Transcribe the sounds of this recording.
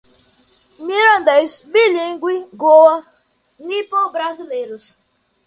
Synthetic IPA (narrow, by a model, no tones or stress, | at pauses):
miɾand̪ejsbiliŋ̩ɡwiɡoa | nipobɾazileɾʊs